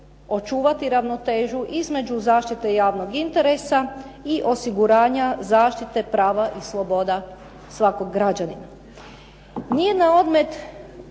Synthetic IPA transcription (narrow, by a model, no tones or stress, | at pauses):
o̞t͡ʃuːʋat̪iɾaʋno̞t̪e̞ːʒuʔizme̞d͡ʒuzaːʃt̪it̪e̞jaːʋnoɡint̪e̞ɾe̞sa | iʔo̞siɡuɾaːɲazaːʃt̪it̪e̞pɾaːʋaʔislˠo̞bo̞d̪a | sʋakoɡːɾad͡ʑanina | nijenao̞d̪me̞t̪